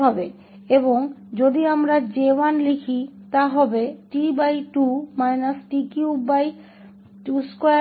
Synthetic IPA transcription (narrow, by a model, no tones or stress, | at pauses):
ɦɔbe | eboŋd͡ʑod̪iamɾad͡ʑewanlikʰit̪aɦɔbeʈibajʈumajnasʈikiubaj | ʈusko